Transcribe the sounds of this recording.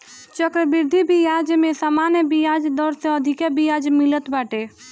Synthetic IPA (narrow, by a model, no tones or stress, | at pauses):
t͡ʃəkɾəbiɾd̪ʱibʱijad͡ʒmesamanjəbijad͡ʒd̪əɾsẽəd̪ʱikebijad͡ʒmilət̪baʈe